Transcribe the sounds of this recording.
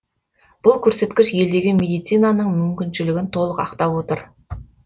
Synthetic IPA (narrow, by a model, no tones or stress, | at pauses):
b̥ʊlˠkʲʰɵɾse̞t̪kʲɪʃje̞ld̪e̞ɡʲɪmʲe̞d̪ijt̪sijnanəɴmʏmkʲɪnʃɪlɪɡʲɪnt̪ʰo̞lˠəqɑqt̪ɑpwo̞t̪əɾ